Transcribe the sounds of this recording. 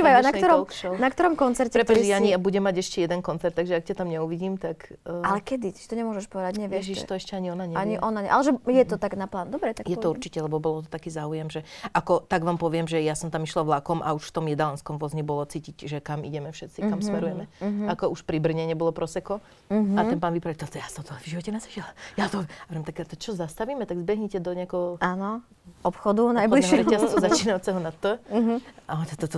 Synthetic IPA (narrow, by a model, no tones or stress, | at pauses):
ʋajanakt̪ɔɾɔkʃɔnakt̪ɔɾɔmkɔnt͡sɛɾcɛɾɛt̪aɲiabuɟɛmːaɟɛʃcɛjɛd̪ɛnkɔnt͡sɛɾt̪ːaɡʒɛakcat̪amɲɛuʋiɟiːmt̪akːalɛkɛd̪it̪i̥t͡ʃt̪ɔɲɛmʊɔʒɛʃpɔʋɛd̪aɟɲɛʋɪɛɛʒiʃt̪ɔɛʃcɛaɲiɔnaɲɛaɲiʔɔnaɲɛʔa̰lɛʒɛjɛt̪ɔt̪aɡnaplaːnd̪ɔbɾɛt̪akjɛɔuɾt͡ʃicɛlɛbɔbɔlɔt̪ɔt̪akiːzaːujɛmʒɛʔakɔt̪aɡʋaːmpɔʋɪɛmʒɛjasɔmt̪amiʃlaʋlakɔmʔa̰uʃft̪ɔmjɛd̪alanskɔmʋʊɔzɲibɔlɔt͡siːcicʒɛkamḭɟɛmɛfʃɛt̪t͡sikkamsmɛɾujɛmɛakɔʔuʃpɾibr̩ɲɛɲɛbɔlɔpɾɔsɛkɔ | at̪ɛnplaːnʋipɾait̪ɔt̪ɔjast̪ɔmt̪ɔvʒiʋɔcɛnazaʒilajat̪ɔaɛɾɛmt̪akɛt̪ɔt͡ʃɔzast̪aʋiːmɛt̪aɡzbɛɦɲɛcɛd̪ɔɲɛakɛɦɔaːnɔ | ɔpxɔd̪unajbɔliʃɾɛɛassuzat͡ʃiːnawt͡sɛɦɔnat̪ːəɦaɔt̪ɛt̪ɔt̪ɔ